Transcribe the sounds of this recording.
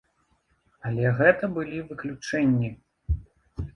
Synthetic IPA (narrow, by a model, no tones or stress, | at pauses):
ɐlʲɛɣɛt̪ɐbɨlʲivɨklʲut͡ʂɛnʲːi